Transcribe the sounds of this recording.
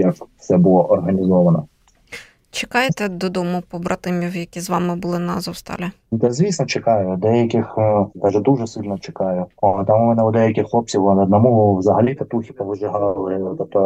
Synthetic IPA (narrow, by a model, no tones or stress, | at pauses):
jɐkfsɛbʊlˠɔʔɔrɦɐnʲizɔʋɐnɔ | t͡ʃekɑjet̪ɛd̪ɔd̪ɔmʊpɔbɾɐt̪ɪmʲiwjɐkʲizʋɑmɪbʊlˠɪnɑ̰zɔwst̪ɑ̰lʲɪ | d̪ɛzʲʋʲisnɔt͡ʃekɑjʊd̪ɛjɐkʲɪxd̪ɑʒɛd̪uʒɛsɪlʲnɔt͡ʃe̥kɑjʊɔt̪amumɛnɛʊd̪ɛjɐkʲɪxlˠɔp̚t͡sʲiwɔnɐd̪nɐmuwzɐɦɐlʲit̪ɐt̪uxʲipɔʋɪʒɪɦɑlˠɪɔt̪ɛt̪ɔ